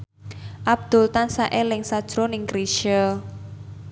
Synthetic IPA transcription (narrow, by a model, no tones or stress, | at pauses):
ʔab̥̚d̪̥ʊ̤lt̪ansaʔelɪŋsad̥ʒ̥ɾonɪŋkɾiʃə